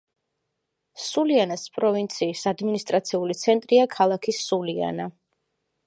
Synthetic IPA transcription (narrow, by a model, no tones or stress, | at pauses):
sulianaspʼɾɔvint̪sʰiːsad̪minist̪ʼɾat̪sʰiulit̪sʰɛnt̪ʼɾiakʰalˠakʰisulia̰na